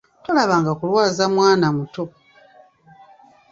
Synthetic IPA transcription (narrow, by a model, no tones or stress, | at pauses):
to̞laβaŋɡakulwaːzamwaːnamuto̞